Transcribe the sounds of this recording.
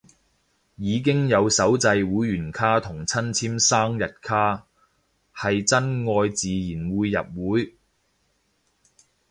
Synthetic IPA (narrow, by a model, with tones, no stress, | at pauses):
jiː˨˧k̬ɪ˥ŋjɐ˨˧wsɐ˨˥wt͡sɐ˧jwuː˨˥jɥyː˨˩nkʰaː˥t̪ʰʊ˨˩ŋt͡sʰɐ˥nt͡sʰiː˥msaː˥ŋjɐ˨t̚kʰaː˥ | hɐ˨jt͡sɐ˥nŋɔː˧jt͡siː˨jiː˨˩nwuː˨˧jːɐ̰˨p̚wuː˨˥j